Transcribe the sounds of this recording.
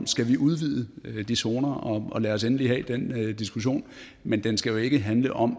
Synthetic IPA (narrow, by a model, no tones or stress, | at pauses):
msɡ̥æʋiʔuð̞ˠʋið̞̰ˠəd̥iso̝ːnɐɒ̽ɒ̽læɒ̽s̬enəliɦɛ̰ːd̥end̥isɡ̥uɕ̬o̝̰ːn | mend̥ensɡ̥æjo̝e̝ɡ̥əɦænləʔɒ̽m